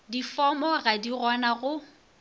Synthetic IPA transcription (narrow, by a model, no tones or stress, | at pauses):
difɔmɔɣadirɔnaɣʊ